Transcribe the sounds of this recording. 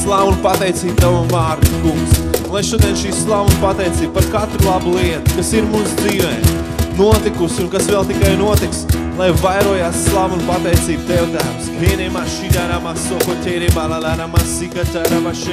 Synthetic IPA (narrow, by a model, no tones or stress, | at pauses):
slˠavunpat̪ɛjt̪siːt̪̚t̪avumaːɾt̪ukuŋksunlˠajʃuɔd̪iɛnʃiːsslˠavunpat̪ɛjt̪siːb̚paɾkat̪ɾulˠabulˠiɛt̪u̥kasiɾmusd̪ziːʋɛː | nuɔt̪ikusunkasvɛlˠt̪ikajnuɔt̪iks | lˠajvajɾuɔjaːsːlˠavunpat̪ɛjt̪siːt̪̚t̪ɛwd̪aːmskviɛnʲɛmaʃiɡ̪aɾamaːsɔkɔtʲɛjɾiːbaːd̪ad̪aːɾamasikat̪ʲaɾavaʃi